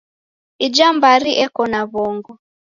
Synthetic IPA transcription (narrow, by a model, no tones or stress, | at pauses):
id͡ʒambaɾiʔɛkɔnaβɔŋɡɔ